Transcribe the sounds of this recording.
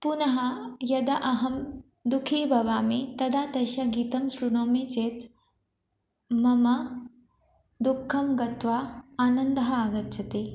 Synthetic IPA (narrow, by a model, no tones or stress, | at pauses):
punɐɦɐjɐd̪ɐʔɐɦɐm | d̪ukʰiːbʱɐʋaːmit̪ɐd̪aːt̪ɐʃɐɡiːt̪ɐmsɾuɳoːmit͡ʃeːt̪ | mɐmɐ | d̪ukʰːɐmɡɐt̪ʋaːaːnɐnd̪ɐɦɐaːɡɐtːt͡ʃʰɐt̪eː